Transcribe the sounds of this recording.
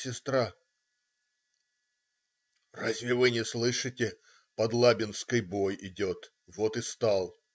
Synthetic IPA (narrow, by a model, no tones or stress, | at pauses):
sʲɪst̪ɾa | razʲvʲɪvɨnʲɪslˠɨʂɨtʲɪ | pɐd̪lˠabʲɪnskəjbo̞jɪdʲot̪ | vot̪ɨst̪alˠ